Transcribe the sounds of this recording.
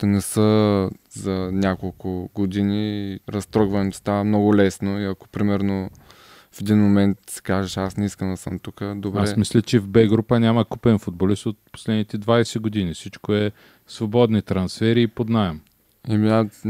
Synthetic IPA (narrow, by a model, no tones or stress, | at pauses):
t̪ɛnɛsəzɐnʲjakolˠkʊɡod̪iniɾɐst̪ɾɔɡvɐɛmst̪amnɔɡʊlɛsnoiɐko̥pɾimɛɾno | fɛd̪inmomɛnt̪sɛ̥kaʒɛʃasnɛiskənd̪ɐsəmt̪ukəd̪obɾaɛsmislʲət͡ʃɛvbɛɡɾupənʲaməkupɛnfʊd̪̚bolist̪ot̪̚po̥slɛd̪nit̪ɛd̪vajsɛɡod̪inisit͡ʃkoɛ | svobɔd̪nit̪ɾɐnsfɛɾiːpod̪naɛm | ɛmina